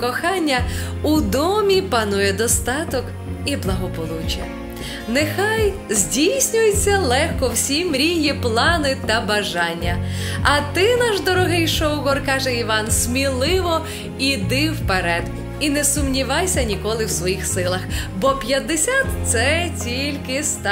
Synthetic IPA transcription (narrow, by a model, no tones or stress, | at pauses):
kɔxɑnʲːɐ | ud̪ɔmʲipɐnujɛd̪ɔst̪ɑt̪ɔk | iblˠɐɦɔpɔlˠut͡ʃɐ̰ | nexɑjzʲdʲijsʲnʲʊjet͡sʲːɐlˠɛxkɔwsʲimɾʲiɦjiplˠɑnɪt̪ɐbɐʒɑnʲːɐ | ɐt̪ɪnɑʒd̪ɔɾɔɦɪjʃɔwɣɔrkɑʒɛiʋɑnsʲmʲilˠɪʋɔ | id̪ɪwpeɾɛd̪ | inɛsʊmnʲiʋɑjsʲɐnʲikɔlˠɪwsʋɔjixsɪlˠɐxbɔpʲjɐd̪ːesʲat̪sɛt͡sʲilʲkɪst̪ɑ